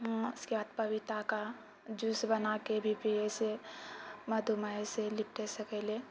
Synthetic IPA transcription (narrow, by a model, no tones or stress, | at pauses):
ɦɪskebaːd̪̚pəʋɪt̪aka | d͡ʒusbənakebʱipiese | məd̪ʱumaeselɪpʈesəkɛle